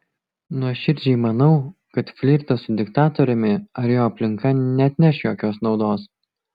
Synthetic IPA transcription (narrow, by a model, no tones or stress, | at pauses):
nuɔʃʲɪɾʲd͡ʒʲɛɪmɐnɒʊkɐt̪fʲlʲiːɾt̪ɐsʊd̪ʲɪkt̪ɑːt̪ɔɾʲɛmʲɪɐɾjoːɐpʲlʲɪŋkɐnʲɛɐt̪ʲnʲɛʃjoːkʲoːsnɒʊd̪oːs